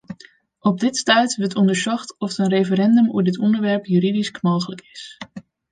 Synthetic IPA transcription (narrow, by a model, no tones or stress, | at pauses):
ɔb̚dɪtstɛɥtʋətɔndəɹsɔχtɔfətənrejfəɾɛndɵmṵədɪtʰɔndəɹʋɛɹpjyɾidiskmoːχələkɪs